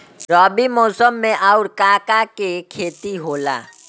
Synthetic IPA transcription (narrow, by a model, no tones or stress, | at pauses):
ɾɔːbimoːsəmːẽʔaʊɾkaːkakekʰeːt̪iɦoːla̰ː